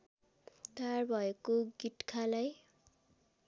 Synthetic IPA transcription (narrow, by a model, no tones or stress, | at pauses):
t̪arbʱʌekoɡitkʰalaj